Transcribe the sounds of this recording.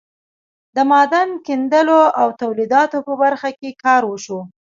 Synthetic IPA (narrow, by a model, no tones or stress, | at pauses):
d̪əmɑd̪ankind̪əloawt̪awlid̪ɑt̪opəbaɾxakekɑɾwəʃo